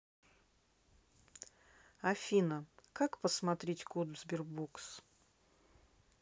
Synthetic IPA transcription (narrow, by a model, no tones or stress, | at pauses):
ɐfʲinəkakpəsmɐt̪ɾʲetʲkud̪zbʲɪrboks